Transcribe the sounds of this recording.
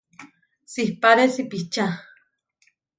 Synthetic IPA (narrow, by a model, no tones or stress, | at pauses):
sihpaɾesipiht͡ʃa